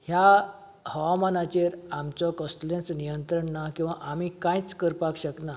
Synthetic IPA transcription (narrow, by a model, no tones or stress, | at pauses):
hja | həʋamanat͡ɕeɾamt͡sɔkəsʈlẽsnijənt̪ɾəɳnakĩw̃ʋaʔamikãjt͡skəɾpakɕəkna